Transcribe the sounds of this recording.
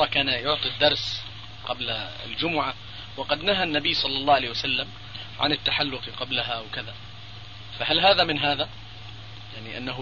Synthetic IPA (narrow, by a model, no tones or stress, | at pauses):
ɑkaːnajʊʕt̪ˤid̪ːɑɾˤs | qɑbla | ɪ̰ld͡ʒʊmʊʕa | wɑqɑd̪naɦanːabiːsˤɑlːɑlˤːɑːhalahjwasalːam | ʕa̰nɪt̪ːaħalːʊqqɑblaɦaʔwkaða | faɦalɦaːðamɪnɦaːða | jaʕniʔa̰nːaɦ